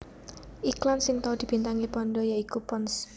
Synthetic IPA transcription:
ʔiklansɪŋt̪aud̪̥i̤b̥i̤nt̪aŋipɔnɖɔjaikupɔns

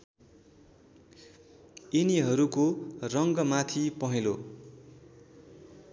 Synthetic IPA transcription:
iniɦʌɾukorʌŋɡʌmat̪ʰipʌɦelo

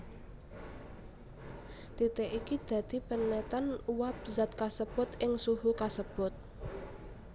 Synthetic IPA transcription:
t̪it̪eʔikid̪̥ä̤d̪̥i̤pənːɛt̪anuwap̚zat̪̚kasəb̥ʊt̪ʔɪŋsuɦukasəb̥ʊt̪̚

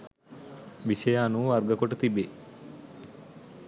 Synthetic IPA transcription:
ʋisɐjaːnuɐɾɡɐkoʈɐt̪ibe

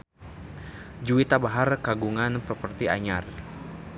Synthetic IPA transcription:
d͡ʒuit̪abaɦarkaɡuŋanpəpərt̪ia̰ɲar

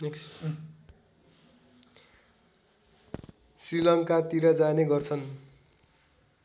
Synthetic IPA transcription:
k | srilʌŋkat̪iɾʌd͡zaneɡʌrt͡sʰʌn

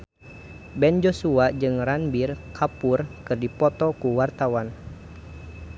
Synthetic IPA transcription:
bɛnd͡ʒosuad͡ʒɨŋranbirkʰapurkɨrdipɔt̪ɔkuwart̪awan

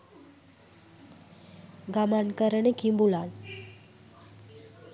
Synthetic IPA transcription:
ɡamankəɾənəkimbulan

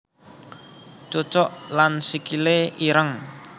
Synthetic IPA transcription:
t͡ʃot͡ʃɔʔlansikileiɾəŋ

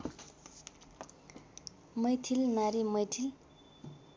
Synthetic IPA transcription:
məjt̪ʰilnaɾiməjt̪ʰil

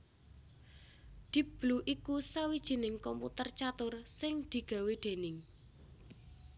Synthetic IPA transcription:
d̪̥ib̥luʔikusawid̥ʒ̥i̤nɪŋkɔmput̪ərt͡ʃat̪ʊrsɪŋd̪̥i̤ɡ̥a̤weɖ̪̥e̤nɪŋ

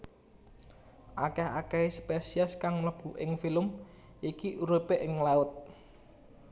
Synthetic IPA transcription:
ʔakɛɦakɛɦispesiaskaŋləb̥ṳʔɪŋfiləm | ʔikiʔuɾupeʔɪŋlaʊt̪̚

